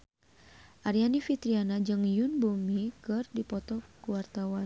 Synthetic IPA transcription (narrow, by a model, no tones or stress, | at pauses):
ʔaɾianifit̪ɾianad͡ʒɨŋjunbumikɨrdipɔt̪ɔkuwart̪awan